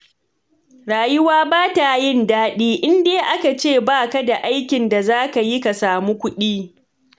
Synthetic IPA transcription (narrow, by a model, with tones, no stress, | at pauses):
ɽaː˨jʊ˦waː˦baː˦ta˨jɪ˦˨ndaː˦ɗiː˦ʔɪ˦ndeː˦ʔa˦ka˨t͡ʃeː˦˨baː˦ka˦da˨ʔa˦jkʲɪ˨nda˨zaː˦ka˨ji˦ka˨saː˨mu˦kʷʊ˦ɗiː˦